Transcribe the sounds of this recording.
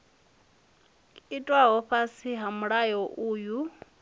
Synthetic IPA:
itʼwaɦɔɸasiɦamuɺajɔʔuːju

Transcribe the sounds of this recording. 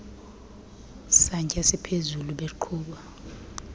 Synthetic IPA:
saɲkʼɛsipʰezuluɓeǃʰuːɓa

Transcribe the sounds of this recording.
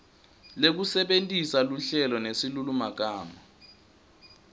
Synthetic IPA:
lek̬usɛɓentʼisaluɬɛlɔnesilulumak̬aːma

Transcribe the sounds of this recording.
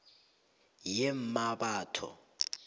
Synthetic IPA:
jɛm̩mabaːtʰɔ̰

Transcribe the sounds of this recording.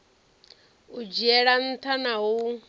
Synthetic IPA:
ud͡ʒiɛɺan̩t̪ʰanaɦu

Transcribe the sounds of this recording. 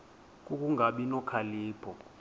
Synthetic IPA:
k̬ʼuk̬ʼuŋʱaɓinɔkʰaliːpʰɔ

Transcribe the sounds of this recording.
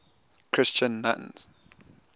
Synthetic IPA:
kʰɹ̥ɪst͡ʃə̃nːa̰ʔnz̥

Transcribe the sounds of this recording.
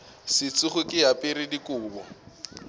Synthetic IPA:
sɪt͡sʼʊχʊkʼɪapʼɪɾɪdikʼʊːbɔ

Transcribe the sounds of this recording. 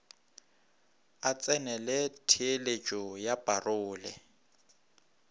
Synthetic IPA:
at͡sʼɛnɛlɛtʰɪelet͡ʃʼɔjab̥arʔʊːlɛ

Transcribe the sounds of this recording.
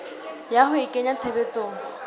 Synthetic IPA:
jahʊɪkʼeɲat͡sʰebet͡sʼoːŋ̩

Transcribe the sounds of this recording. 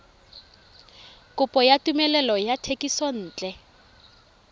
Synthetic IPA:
kʼʊpʼɔjatumɛlɛlɔjatʰekʼisɔn̩ːt͡ɬʼɛ

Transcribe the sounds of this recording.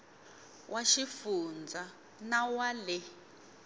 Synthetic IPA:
wʔaʃifund͡zʱa | nawalɛ

